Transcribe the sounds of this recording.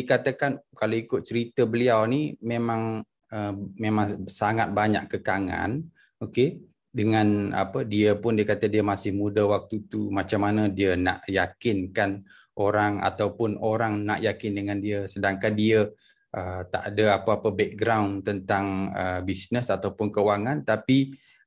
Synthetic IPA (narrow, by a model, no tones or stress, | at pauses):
dikat̪akankaloikʊt̪̚t͡ʃəɾit̪əbəliawnimemaŋ | əmemaŋsaŋat̪̚baɲa̰ʔkəkaŋa̰n | oke | dəŋana̰pədiəpʊndiəkat̪ədiəmasɪhmudəwak̚t̪ut̪umat͡ʃamːanədiəna̰ʔjakɪnkan | ʔoɾaŋa̰t̪awpʊnoɾaŋnaʔjakɪndəŋandiəsədaŋkandiə | ʔət̪aʔadəapaːpəbɛk̚ɡɾawnt̪ənt̪aŋəbisnəsat̪awpʊnkəwaŋant̪api